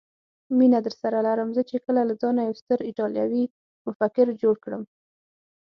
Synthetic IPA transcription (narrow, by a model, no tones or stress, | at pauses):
minad̪əɾsaɾalaɾəmzət͡ʃekəlalad͡zɑnajawst̪əɾɪʈɑljɑ̰wi | mʊfakɪɾd͡ʒoɽkɽəm